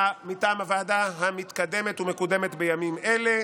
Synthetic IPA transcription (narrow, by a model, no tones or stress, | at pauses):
mitaːmavaːdaɦamit̪kad̪e̞me̞t̪ume̞kud̪e̞me̞t̪be̞jamimele̞